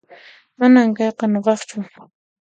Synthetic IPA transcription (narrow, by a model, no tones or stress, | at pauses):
manamkɑjqɑnoqɑχt͡ʃʊ